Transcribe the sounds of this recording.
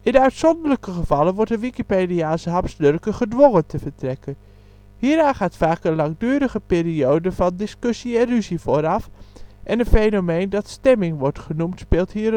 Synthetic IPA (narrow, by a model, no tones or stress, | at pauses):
ɪnœɥtsɔndələkəχəvɑlənʋɔɹtəʋikipediaːsəɦɑpsdɵrkəχədʋoŋəntʰəvəɹtrɛkən | hiːɾaːχaːtfaːkənlɑŋdyːɾəχəpɪːɾiowdəvɑndɪskɵsiɛnryzivoːɾɑfʔɛnəfejnomejndɑtstɛmɪŋʋɔɹtχənumtspeːlˠtɦiː